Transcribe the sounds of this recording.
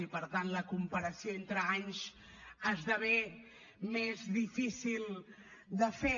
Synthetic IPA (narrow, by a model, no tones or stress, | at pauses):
ipəɾt̪anləkumpəɾəsioent̪ɾəaɲs | azðəβe | mezðifisilˠ | d̪əfe